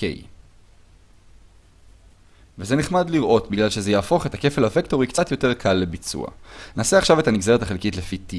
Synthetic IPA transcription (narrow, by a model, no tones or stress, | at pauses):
kḛj | vezeniχmadliʁʔo̞tbiɡlalʃezejaːfo̞χe̞take̞felhavekto̞ʁikt͡satjo̞te̞ʁkʰalːebit͡sṵa̰naːseaχʃave̞tamiɡzeetaχelkitlefiti